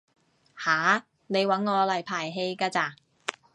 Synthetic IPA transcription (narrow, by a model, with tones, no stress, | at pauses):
haː˨˥ | ne˨˧jwɐ˨˥nŋɔː˨˧lɐ˨˩jpʰaː˨˩jɦe˧jkaː˧t͡saː˧˩